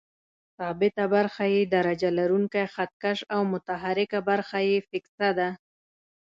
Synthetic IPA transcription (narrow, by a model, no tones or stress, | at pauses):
sɑbɪt̪abaɾxajed̪aɾad͡ʒalaɾuŋkajxat̪̚kaʃawmʊt̪aɦaɾɪkabaɾxajefɪksad̪a